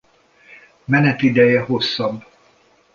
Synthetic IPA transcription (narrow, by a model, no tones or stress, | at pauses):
mɛnɛt̪id̪ɛjɛɦo̞sːɒbː